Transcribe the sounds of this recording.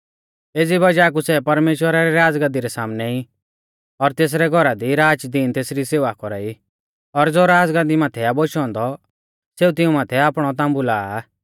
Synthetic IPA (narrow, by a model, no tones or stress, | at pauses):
eːd͡zibɐd͡ʒaːk̬usɛpɐɾmeːʃwəɾaɾɛɾaːd͡zɡãd̪iɾɛsaːmnɛi | ɔɾt̪eːs̬ɾɛɡʱɔɾad̪iɾaːd͡ʒd̪iːnt̪eːsɾiseːʋakɔɾaːi | ɔɾd͡zoɾaːd͡zɡãnd̪imaːt̪ʰɛaboʃɔ̃ːnd̪ɔ | seːut̪ɪũmaːt̪ʰɛaːpɽ̃ɔt̪ãːmbulaː